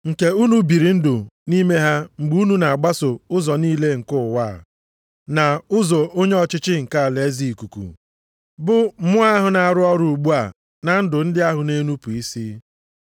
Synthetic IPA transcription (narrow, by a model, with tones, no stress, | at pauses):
ŋ̩˨ke˦u˦nu˨bi˨ɾi˨n̩˦dʊ˨ni˦me˦ɦa˦ŋ͡m̩˨ɡ͡bu˦u˦nu˦na˨a˨ɡ͡ba˦sʊ˨ʊ˦zɔ˨niː˦le˦ŋ̩˨kʊ˦˨wa̰˦˨ | na˨ʊ˦zɔ˨ʔo˦ɲe˦ɔ˨t͡ʃɪ˦t͡ʃɪ˦ŋ̩˨ka˦a˨le˨˦zi˦˨ku˨kṵ˨ | bʊ˦mʊ˦a˦ɦʊ˨na˨a˨ɾʊ˦ɔ˦ɾʊ˨u˨ɡ͡bu˦a˨ | na˨n̩˦dʊ˨n̩˦dɪ˦a˦ɦʊ˨ne˦nu˦pu˨i˦si˦